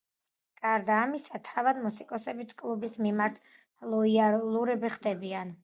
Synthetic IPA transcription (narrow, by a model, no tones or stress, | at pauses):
ɡʼaɾd̪aːmisat̪ʰavad̪musikʼɔsɛbit̪ʰkʼlˠubismimaɾt̪ʰ | lˠɔialˠuɾɛbiχd̪ɛbian